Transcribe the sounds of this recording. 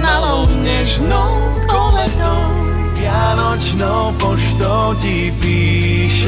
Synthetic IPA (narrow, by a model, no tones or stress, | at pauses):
nalɔʊɲɛʒnɔʊ | k̪ʼɔlɛt̪ɔ | pɪanɔt͡ʃnɔʊpɔʃt̪ɔʊci | piː | ʃ